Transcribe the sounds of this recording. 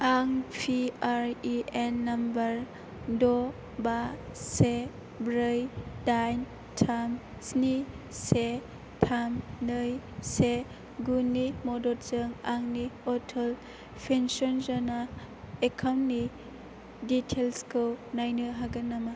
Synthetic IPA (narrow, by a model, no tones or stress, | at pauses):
aŋpʰiaɾienːɐmbɐɾ | dɔ | base | bɾɯjdajn | tʰam | sni | se | tʰamnɯj | se | ɡunimɔdɔɾzɯŋaŋniɔtʰel | pʰensɔnzɔna | ekʰawnni | ditʰelskʰɯwnajnɯɦaɡɐnama